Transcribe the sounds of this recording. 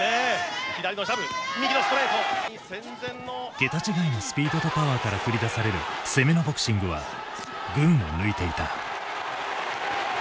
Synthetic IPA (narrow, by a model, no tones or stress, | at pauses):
eçʲid̪aɾʲinoɕabɯimʲikʲinosɨ̥t̪oɾet̪osẽnd͡zẽnːoɡ̥e̞t̪at͡ɕiɡainosɨ̥pʲiːd̪o̞t̪o̞paβaːkaɾakɯ̟ɾʲid̪asaɾe̞ɾɯ̟se̞me̞nobo̞kɯ̥ɕĩŋɡɯ̟βa̰ | ɡɯ̟̃ɰ̃o̰nɯ̟it̪e̞it̪a